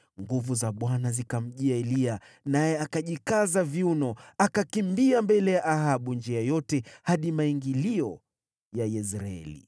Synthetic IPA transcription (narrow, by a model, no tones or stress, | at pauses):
ŋɡuvuzaɓwanazikam̩ʄiaɛlia | najɛakaʄikazavjunɔakakimbiambɛlɛjaʔaɦaɓund͡ʒiajɔtɛhaɗimaiŋɡiliɔ | jajɛsɾaɛ̰lḭ